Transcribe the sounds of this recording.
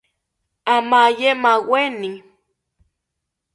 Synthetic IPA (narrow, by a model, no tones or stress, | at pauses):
amajemaweni